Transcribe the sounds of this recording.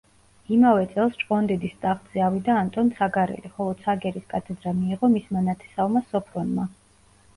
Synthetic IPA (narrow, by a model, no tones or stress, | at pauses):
imavɛt̪sʼɛlˠst͡ʃʼqʼɔnd̪ɛd̪ist̪ʼaχt̪z̥ɛavid̪aːnt̪ʼɔnsʰaɡaɾɛ̰liχɔlˠɔsʰaɡɛɾiskʼat̪ʰɛd̪ɾamiːʁɔmismanat̪ʰɛ̥savmasɔpʰɾɔnma